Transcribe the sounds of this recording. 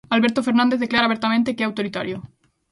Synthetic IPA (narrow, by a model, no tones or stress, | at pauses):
alβe̞ɾt̪ofeɾnãnd̪eðe̞klaɾaβeɾt̪amẽnt̪ekeeawt̪oɾit̪aɾjo